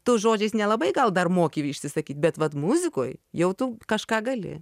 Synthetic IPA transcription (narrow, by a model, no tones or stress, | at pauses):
t̪ʊːsʒoːd͡ʒʲɛɪsnʲɛlˠɐbɐɪɡɐlˠd̪ɐrmoːkʲiʋʲɪʃʲsʲɪsɐkʲiːt̪̚ʲbʲɛt̪ʋɐt̪mʊzʲɪkoːjjɛʊt̪ukɐʃkɑːɡɐlʲɪ̰